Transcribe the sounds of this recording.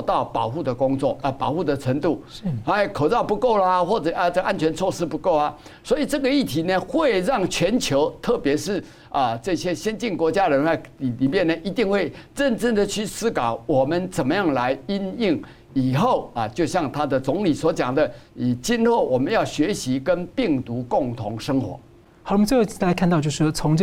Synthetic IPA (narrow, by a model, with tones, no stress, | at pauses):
t̪ɑ˥˩ʊpɑ˨˩ʊxu˥˩d̪ə˩kʊ˥ŋt͡swɔ̰˥˩ə˧˩pɑ˨˩ʊxu˥˩d̪ə˨t͡sʰə˧˥nt̪u˥˩a˥˨˩kʰo˨˩ʊt͡sɑ˥˩ʊpu˧˥ko˥˩ʊlə˨xwɔ˥˩ʈ͡ʂə˨˩ə˧ʈ͡ʂə˥˩ɡə˧ʔa˦˥nt͡ɕʰɥɛ˧˥nt͡sʰwɔ˥˧ʂɻ̩˥pu˧˥ko˥˩ʊɐ˨ | swɔ˧˥i˨˩ʈ͡ʂɤ˥˩ɡə˩i˥˩t̪ʰi˨˥nə˦xwe˥˧ɪɻɑ˥˩ŋt͡ɕʰɥɛ˧˥nt͡ɕʰjo˧˥ʊt̪ʰɤ˥˩pjɛ˧˥ʂɻ̩˥˩ | ə˨ʈ͡ʂɤ˥˧ɕjɛ˦ɕjɛ˥nt͡ɕi˥˩nkwɔ˧˥t͡ɕja˥ɻə˧˦na˥˩i˨˩i˨˩mjɛ˥˨˩nːə˩ʔi˧˥t̪i˥˧ŋxwe˥˩ɪʈ͡ʂə˥˧nʈ͡ʂə˥˩nd̪ə˨t͡ɕʰy˥˩sɹ̩˥kɑ˨˩˦ʊwɔ˨˩mə˦nt͡sə˨˩nmə˦jɑ˥˩ŋla˧˦ɪi˦˥ni˥˩ŋ | i˨˩xo˥˨˩ʊə˨t͡ɕjo˥˧ʊɕjɑ˥˩ŋt̪ʰa˦d̪ə˨t͡sʊ˧˥ŋli˨˩swɔ˧˥t͡ɕjɑ˨˩ŋd̪ə˦i˨˩t͡ɕi˥nlo˥˩ʊwɔ˨˩mə˦njɑ˥˩ʊɕɥɛ˧˦˥ɕi˧˦kə˦npi˥˩ŋt̪u˧˦˥kʊ˥˨˩ŋt̪ʰʊ˧˥ŋʂɤ˥ŋxwɔ̰˨˧˦ | m˦t͡sjo˥˩˨a˧˥ɪkʰt̪ɑ˧t͡ɕjo˥˧ʊʂɻ̩˥˩t͡sʰʊ˧˦ŋʈ͡ʂ